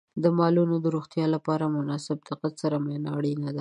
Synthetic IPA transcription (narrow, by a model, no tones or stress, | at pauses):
d̪əmɑlunod̪əɾoxt̪jɑlapɑɾamʊnɑsɪb̚d̪ɪqat̪saɾamenɑɽinad̪a